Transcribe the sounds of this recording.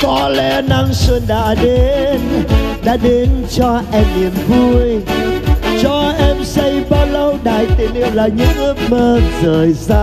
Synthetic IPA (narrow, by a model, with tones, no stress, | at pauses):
kɔ˨˦lɛ̰˧na˧ŋsə˧nɗa̰ː˧˥ɗe˨˦nɗa̰ː˧˥ɗe˨˦nt͡ɕɔ˧ʔɛ˧mni˨˩əmvu˧əj | t͡ɕɔ˧ʔɛ˧msə˧jɓaː˧wlə˧wɗaː˧˨˩jt̪i˨˩əlḭ˧˨ə˨wlaː˨˩ɲɨ̰˧˥ŋ˦məː˧nzəː˨˩jzaː˧